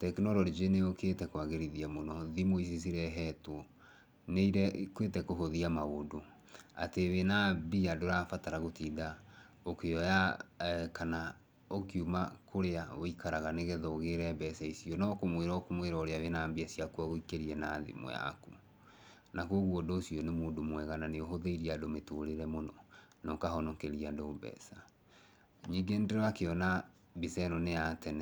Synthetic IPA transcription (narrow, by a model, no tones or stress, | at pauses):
tɛkenɔɾɔɾid͡ʒeneoketɛkwaɣeɾiðiamonɔðimois̬is̬iɾɛɦɛtwɔ | neiɾɛkwetɛkoɦoðiamaodo | a̰teβenabiadoɾafataɾaɣotiða | okeɔja | kana | okiumakʰoɾeaoikʰaɾaɣaneɣɛðɔːɣeɾɛbɛsaisionɔkomweɾɔkomweɾɔoɾeaβenaːmbiasiakwɔɣoikeɾiɛnaðḭmo̰ja̰ku | nakoɣwɔdoːsionemoːndomwɛɣananeoɦoðeiɾiadometoɾeɾɛmonɔnɔkaɦɔnɔkeɾiadobɛ̰sa | ɲiɡendeɾɔakeɔna | bisɛnɔneatɛnɛ